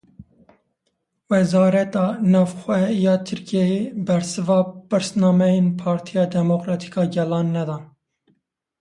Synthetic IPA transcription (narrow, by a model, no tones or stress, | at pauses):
wɛzɑːɾɛt̪ɑːnɑːvxʷwɛjɑːt̪ʰɨɾkʰɛjebɛɾsɨvɑːpɨɾsnɑːmɛjenpʰɑːɾt̪ʰijɑːd̪ɛmokɾɑːt̪ʰi̥kɑːɡɛlɑːnːɛd̪ɑːn